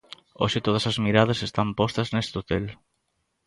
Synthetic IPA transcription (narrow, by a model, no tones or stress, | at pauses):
o̰ʃɪt̪oð̞ɐsɐzmiɾað̞ɐsest̪ampost̪ɐznest̪ot̪el